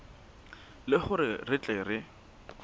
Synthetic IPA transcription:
lɪχʊɾɪrɪt͡ɬʼɛrɪ

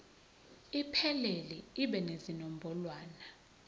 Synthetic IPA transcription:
ipʰɛlelɛiɓɛnezinɔm̩bʱɔlwaːna

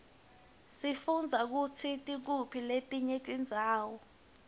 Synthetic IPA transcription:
sifund͡zʱak̬ut͡sʰitʼik̬upʰiletʼiɲetʼind͡zʱaːwɔ

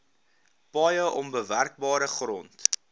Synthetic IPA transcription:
pɐjəʔɔnbəværk̚bɑːɾəχrɔnt

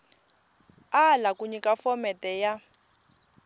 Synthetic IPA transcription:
alakuɲikafɔmɛtɛja

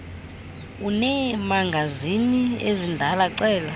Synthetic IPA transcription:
unɛmaŋɡʱaziniezindʱalaǀɛːla

